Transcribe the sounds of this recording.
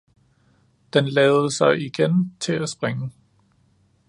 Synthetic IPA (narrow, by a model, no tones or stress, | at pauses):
d̥enlɛːʊð̩ˠəsɑ̈ɪiɡ̥ent͡sʰe̝æsb̥ʁeŋə